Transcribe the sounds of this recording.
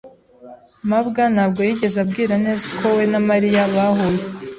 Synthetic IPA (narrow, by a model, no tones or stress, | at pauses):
mabɡanaːbɡo̞jiɟe̞zab̚ɡiːɾane̞ːzakʰo̞we̞namaɾijaβaɦoje